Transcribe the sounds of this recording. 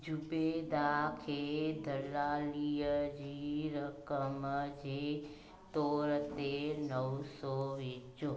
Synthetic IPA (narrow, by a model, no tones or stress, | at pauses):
d͡ʒubed̪aːkʰed̪ʱəlaːlijəd͡ʒiɾəkəməd͡ʒe | t̪oːɾət̪enəwsoʋit͡ʃo